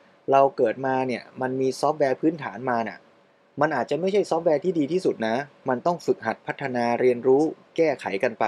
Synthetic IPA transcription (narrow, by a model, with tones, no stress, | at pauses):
ɾa˧wkɤː˨˩t̪̚maː˧ni˥˩ɐəma˧nmiː˧sɔː˦˥p̚wɛː˧pʰɯː˦˥nt̪ʰa̰ː˩˦nmaː˧na̰˨˩ | ma˧nʔaː˨˩t͡ɕa˨˩ʔma˥˩jt͡ɕʰa˥˩jsɔː˦˥p̚wɛː˧t̪ʰiː˥˩diː˧t̪ʰiː˥˩su˨˩t̪̚na˦˥ma˧nt̪ɔ˥˩ŋfɯ˨˩k̚ɦa˨˩t̪̚pʰa˦˥t̪ʰːa˧naː˧ɾi˧ənɾuː˦˥kɛː˥˩kʰa˩˦jka˧npa˧